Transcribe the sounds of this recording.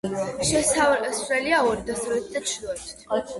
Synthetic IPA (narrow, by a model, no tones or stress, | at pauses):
ʃɛsalɔsɾɛliaɔɾd̪asavɛt̪̚ʰd̪at͡ʃʰlɔt̪ʰ